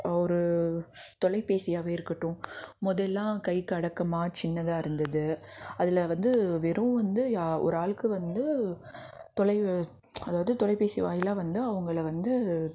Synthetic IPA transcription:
ɔɾɯ | t̪ɔlɐɪpeːsɪjaːʋeːɪɾɯkːɐʈːʊ̃mʊðɐlːãːkɐɪkːɯɐɽɐkːɐmaːt͡ʃɪnːɐðãːɪɾɯnd̪ɐðɯɐðɪlɐʋɐnd̪ɯʋɛɾũʋɐnd̪ɯaɔ̰ɾɯaːɭkɯʋɐnd̪ɯ | t̪ɔlɐɪ | ɐðaːʋɐðɯt̪ɔlɐɪpeːsiʋa̰ːjɪlaːʋɐnd̪ɯɐʋɐŋɡɐɭʋɐnd̪ɯ

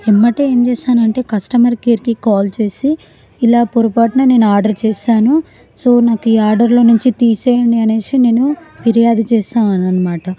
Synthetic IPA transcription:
emːɐʈeeːmt͡ʃeːʃaːnɐɳʈe̞ːkɐsʈɐmɐɾkeːɾkikaːlt͡ʃe̞ːsiː | laːpuɾupaːʈnaːne̞ːnuaːɾɖɐɾt͡ʃeːʃaːnu | so̞ːnaːkuiːaːɾɖɐɾlo̞ːnuɲt͡ʃit̪iːseːjɐɳɖiɐneːsine̞ːnupiɾijaːd̪ɐt͡ʃɛːsaːɐnɐnːɐmaːʈɐ

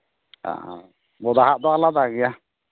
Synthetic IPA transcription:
a̰ | bɔd̪aɦaʔ̚t̪ɔalad̪aɡija

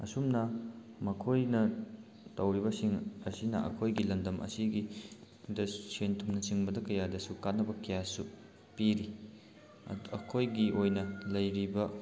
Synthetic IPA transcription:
ɐ̰sumnɐ | mɐkʰojnɐ | tɐwɾibɐsiŋɐsinɐ̰ɐ̰kʰojɡilɐndɐmʔɐ̰siɡi | dɐsentʰumnɐt͡ʃiŋbɐdɐkɐjadɐsukanːɐbɐkɐjasu | piɾi | ɐkʰojɡiʔojnɐlɐjɾibɐ

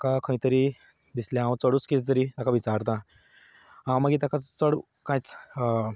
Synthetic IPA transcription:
akakʰə̃ĩt̪əɾi | d̪islẽɦãwt͡səɽuːt͡skit̪it̪̬əɾit̪akaʋit͡saɾt̪̬ã | ɦãwmaɡit̪akat͡səɽ | kãjt͡s

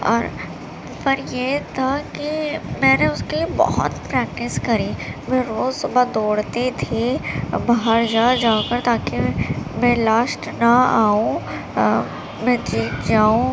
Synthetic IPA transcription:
ɔ̰ːɾ | fɐɾjeːt̪ʰakimɛːneʊskeliebɔ̰ɦʊ̰t̪pɾɛːk̚ʈɪskɐɾiːmɛ̃ɾoːzsʊbad̪oːɽt̪et̪ʰibaɦəɾd͡ʒaːd͡ʒaːkəɾt̪aːkimɛ̃laːsʈnɐaːũ | mɛ̃ːt̪ɾiːkd͡ʒaːũ

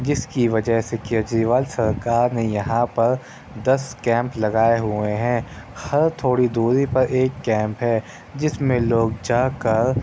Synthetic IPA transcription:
d͡ʒɪskiʋɐd͡ʒəɦsekeɐd͡ʒiʋaːlsɐɾkaːɾnejɐɦãpɐɾ | d̪ɐskɛ̃ːmplɐɡaːeɦʊeɦɛ̃ː | xɐɾt̪ʰoːɽid̪uːɾipɐɾʔeːkːɛ̃ːmpɦɛ | d͡ʒɪsmẽloːɡ̚d͡ʒaːkɐɾ

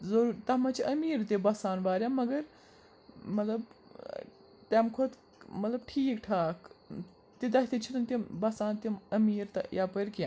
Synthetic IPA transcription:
zɐɾːɾt̪ɐmɐt͡ʃʰiʔɐmiːɾt̪ibɐsaːnʋaːɾʲjaːmɐɡɐɾ | mɐt̪lɐb | t̪ɛmkʰot̪ | mɐt̪lɐb̚ʈʰiːkʈʰaːk | t̪id̪ɐɦt̪it͡ʃʰit̪ɐnt̪ʲibɐsaːnt̪imɐmiːɾt̪ɐ̰jaːpɐɾʲkãː

